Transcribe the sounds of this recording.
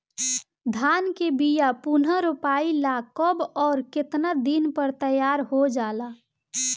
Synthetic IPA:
d̪ʱaːnkebijapunəɾupaːilakəbɔːɾkɪt̪nad̪inpəɾt̪əjaːɾɦod͡ʒaːla

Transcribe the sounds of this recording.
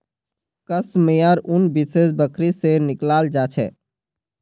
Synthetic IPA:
kəsmejaɾʊnbisesbəkʰɾisenɪklaːld͡ʒaːt͡ʃʰɛ̰ː

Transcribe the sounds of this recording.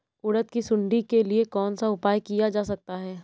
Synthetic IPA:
ʊɽət̪kisʊ̃ɳɖikeliekɔːnsaʊpaːjkijad͡ʒaːsɐk̚t̪aɦɛː

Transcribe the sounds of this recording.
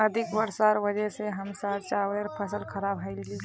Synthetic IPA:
əd̪ʱɪkʋəɾsaɾʋəd͡ʒəseɦəmsaɾt͡ʃaʋəɾpʰəsəlkʰɐɾaːbɦaɪlli

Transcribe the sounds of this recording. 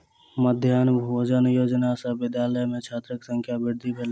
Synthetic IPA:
məd̪ʱjaːnbʱod͡ʒənjoːd͡ʒnasəɦbɪd̪jaːləjmẽt͡ʃʰaːt̪ɾəksə̃ŋkʰjabɪɾd̪ʱibʱel

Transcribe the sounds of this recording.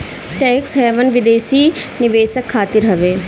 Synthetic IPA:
ʈɛːksɦɛːʋənʋɪd̪eːsiː | nɪʋeːsəkʰːaːt̪ɪɾɦɐʋeː

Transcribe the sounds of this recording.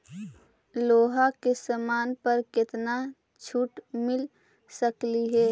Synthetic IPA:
loːɦakesəmaːnpəɾkɪt̪na | t͡ʃʰuːʈmɪl | səkliɦɛː

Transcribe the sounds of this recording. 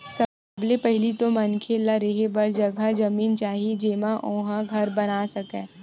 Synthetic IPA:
sɐ | blepɛɦɪlit̪omɐnkʰelaɾeɦebɐɾd͡ʒɐɡʱad͡ʒɐmiːnt͡ʃaːɦid͡ʒeːmãʔõːɦãɡʱɐɾbɐnaːsɐkɛ̃ː

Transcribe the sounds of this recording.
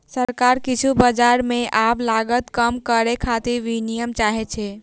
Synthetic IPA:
səɾkaɾkit͡ʃʰubəd͡ʒaɾmeʔablaɡət̪kəmkəɾekʰat̪iɾʋinijəmt͡ʃaɦɛt͡ʃʰɛ

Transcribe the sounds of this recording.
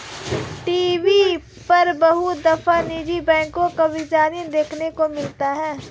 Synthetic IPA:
ʈiːʋi | pɐɾbɐɦud̪ɐfaniːd͡ʒibɛ̃ːŋkõkɐbɪd͡ʒaːnid̪eːkʰnekomɪlt̪aɦɛː

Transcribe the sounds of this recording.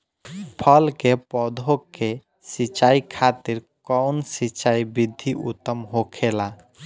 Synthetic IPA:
pʰəlkepɔd̪ʱokːe | sit͡ʃaikʰat̪ɪɾkɔʊnsit͡ʃaibid̪ʱiʔʊ̰t̪ːəmɦokʰela

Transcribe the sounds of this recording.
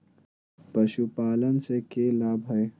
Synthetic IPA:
pɐʃupaːlənsekeːlaːbʱɦɐe

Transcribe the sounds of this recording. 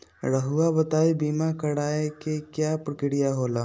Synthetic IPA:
ɾəɦuabɐt̪aːibiːmakɐɽaːekekjapɾɪkɪɽijaɦoːlaː

